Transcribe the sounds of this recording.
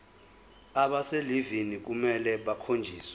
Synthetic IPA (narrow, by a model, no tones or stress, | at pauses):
aɓaselivinik̬umɛlɛɓakʰond͡ʒʱiːsɛ